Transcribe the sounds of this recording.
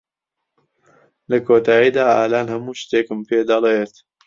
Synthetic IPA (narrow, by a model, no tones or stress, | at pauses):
lɐkʰoːt̪ʰaːjiːd̪aːaːlaːnhɐmuːʃt̪eːkɨmpʰeːd̪ɐlet̪